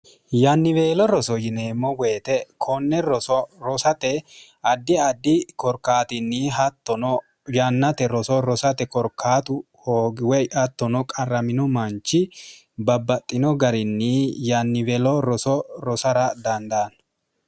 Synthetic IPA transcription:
janːɪveːlɔɾɔsɔjɪneːmːɔweːt̪ɛkʰɔnːɛɾɔsɔɾɔsɐt̪ɛ | ɐd̪ːɪɐd̪ːɪkɔɾkːaːt̪ɪnːɪɦɐt̪ːɔnɔ | jɐnːɐt̪ɛɾɔsɔɾɔsɐt̪ɛkɔɾkʰːaːt̪ʊ | hoːɡwɛjɐt̪ːɔnɔkʼɐrɐmɪnɔmɐnt͡ʃːɪ | bɐbːɐt̪ʼːɪnɔɡɐɾɪnːijanːɪvɛːlɔɾɔsɔɾɔsɐɾɐd̪ɐnd̪ɐːn

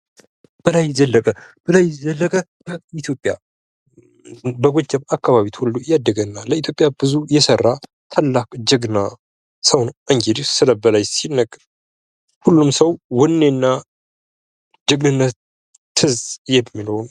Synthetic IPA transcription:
b̥əlajzəlːəkʼəb̥əlajzəlːəkʼə | it̪ʰjo̞pʼːja | bəɡʷod͡ʒːɛmakːaβaβit̪hulːujad̪ːəɡənːaləit̪jo̞pʼjabɨzujɛsərːa | t̪ʰalːakʼd͡ʒəɡna | səwnʔɨŋɡed̪isɨləbəlajsinːəɡʼ | hulːumsəwwɔnːenːa | d͡ʒəɡnɨnːət̪ː | ɨzʼjɛmːilown

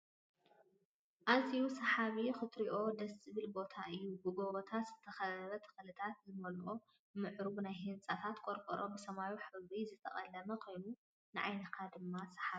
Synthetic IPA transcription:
ʔaziusɐħaβixɨt̪ɾiʔo̞d̪ɐsɨβɨlbo̞t̪ʰaʔɨjːubɨɡoβot̪ʰaz̥ɨt̪ʰɐxɐɐβɐt̪ʰɨ̥xlɨt̪ʰat̪̚zɨmɐlʔo | mɨʕɾuβnajɦɨnt͡sʼɐt̪ʰat̪kʼoɾkʼɐɾʔo̞bɨsɐmajuħɨβizɨt̪ʰɐ̰χʼɐ̰lːɐmɐkʰo̞jnu | nɨʕa̰jnɐkʰad̪ɨmːasɐ̥ħai

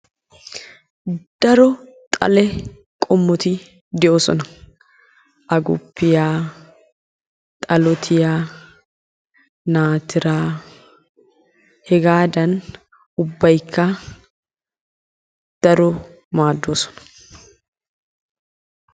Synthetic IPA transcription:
d̪̥ɐɾɔt̪ʼɐ̰lɛ | kʼɔmːɔt̪ɪ | d̪ɛʔo̞ːsɔnɐ | ʔɐɡʊ̰pːɪjaː | t̪ʼɐlɔt̪ʰɪjaː | naːt̪ɪɾaː | hɛɡaːd̪ɐn | ʊbːɐjkʰːɐ | d̪̥ɐɾɔ | maːd̪ːoːsɔ̥nɐ̥

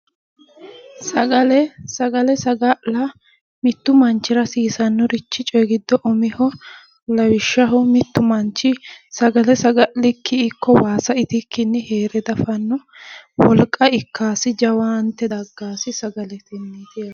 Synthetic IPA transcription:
sɐɡɐlɛsɐɡɐlɛsɐɡɐʔlɐ | mɪt̪ːʊmɐnt͡ʃːɪɾɐsiːsɐnːɔɾɪt͡ʃːɪt͡ʃʼɔjɡɪd̪ːɔʔɔmɪhɔ | lɐwɪʃːɐɦɔmɪt̪ːʊmɐnt͡ʃːɪsɐɡɐlɛsɐɡɐʔlɪkʰːɪːkʰːɔwaːsɐɪt̪ɪkʰːɪnːɪheːɾɛd̪ɐfɐnːɔ | wɔlkʼːɐɪkʰːaːsɪd͡ʒɐwaːnt̪ːɛd̪ɐɡːaːsɪsɐɡɐlɛt̪ɪnːɪt̪ɪjɐ

